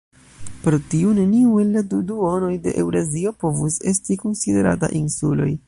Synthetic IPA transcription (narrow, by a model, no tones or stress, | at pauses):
pɾotiune̞niuelːaduduo̞no̞jde̞̰ʔewɾezio̞po̞vuse̞stiko̞nside̞ɾa̰ta̰ʔinsulo̞̰j